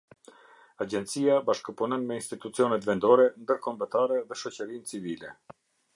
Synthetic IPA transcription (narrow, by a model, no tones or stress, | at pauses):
ad͡ʑɛnt̪t͡siabaʃkəpunɔnmɛinst̪it̪ut͡siɔnɛt̪vɛnd̪ɔɾɛnd̪əɾkɔmbət̪aɾɛðɛʃɔt͡ɕəɾint͡sivilɛ